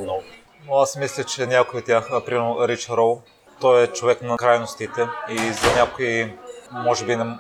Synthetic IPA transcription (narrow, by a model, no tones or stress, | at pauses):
nɔv | noasmislʲɐt͡ʃɛnʲakoiot̪ʲjaxpɾimɛɾnoɾit͡ʃɐɾɔlˠ | t̪ɔjɛt͡ʃovɛknɐkɾajnost̪it̪ɛizɐnʲakoimɔʒɛbinɛ